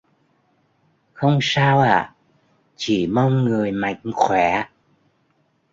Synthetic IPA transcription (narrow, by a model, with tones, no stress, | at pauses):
xə˧wŋ͡msaː˧wʔaː˧˩˨ | t͡ɕi˧˩ma˧wŋ͡mŋɨ˨˩əjma˨jkxwɛ˧˩˦